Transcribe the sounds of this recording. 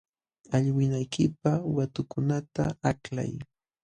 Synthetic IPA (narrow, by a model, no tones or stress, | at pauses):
aʎwɪnajkʰɪpawat̪ʊkʊnat̪a̰akla̰j